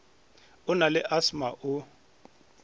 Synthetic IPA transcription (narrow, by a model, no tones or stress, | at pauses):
ʊnalɪʔasmaʔʊ